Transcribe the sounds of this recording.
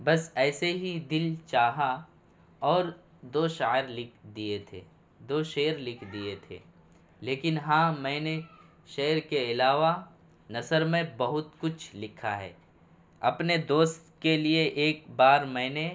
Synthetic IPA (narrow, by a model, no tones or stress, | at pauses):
bɐsɛːseɦid̪ɪlt͡ʃaːɦa | ɔːɾ | d̪oːʃaːɾlɪkʰd̪iet̪ʰḛː | d̪oːʃeːəɾlɪkʰd̪iet̪ʰḛː | leːkɪnɦãːmɛ̃ːne | ʃeːəɾkeɪlaːʋa | nɐsəɾmẽbɐɦʊt̪kʊt͡ʃʰlɪkʰaɦɛ̰ː | ɐ̰pned̪oːst̪kelieʔeːk̚baːɾmɛ̃ːne